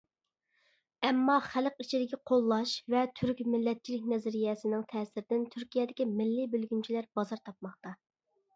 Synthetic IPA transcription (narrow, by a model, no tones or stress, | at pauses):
ɛmːɑχælqit͡ʃʰid̪ɪkʲiqʰolˠːɑʃvɛt̪ʰyɾkʲmɪlːɛt̪̚t͡ʃʰilɪkʲnɛzɪɾijɛsɪnɪŋt̪ʰɛːsɪɾɪd̪ɪnt̪ʰyɾkʲijɛd̪ɪkʲimɪlːibølɡʲynt͡ʃʰilæɾbɑzɑɾt̪ʰɑp̚mɑχt̪ɑ